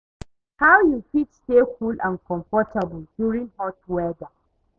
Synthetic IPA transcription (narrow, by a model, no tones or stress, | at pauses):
hawjufitstekʰulʔãnkɔ̃mfɔtʰabʊldjuɹɪ̃ŋhɔt̚wɛda